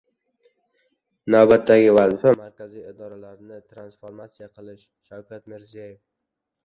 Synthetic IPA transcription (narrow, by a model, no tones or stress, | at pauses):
navbat̪ːaɡʲɪvazɪfamaɾkʲazijɪd̪ɒɾalaɾnɪt̪ʰɾansfoɾmat̪sijaqʰɨlˠɪʃ | ʃawkʲʰat̪mɪɾzijajef